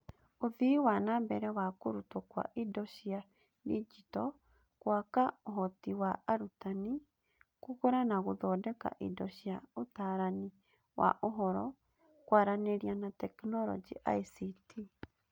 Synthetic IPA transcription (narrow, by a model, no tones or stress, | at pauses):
oðiwanambɛɾɛwakoɾutwɔkwa̰ʔidɔʃia | did͡ʒitɔ | kwakaoɦɔtiwaaɾutani | kuɣoɾanaɣoðɔdɛka̰ʔidɔʃiaotaɾani | wa̰ʔoɦɔɾɔ | kwaɾaneɾianatɛknɔɾɔ̰d͡ʒiʔa̰isitʰi